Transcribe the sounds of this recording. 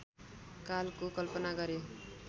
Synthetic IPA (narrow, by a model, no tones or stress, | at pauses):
kalkokʌlpʌnaɡʌɾjo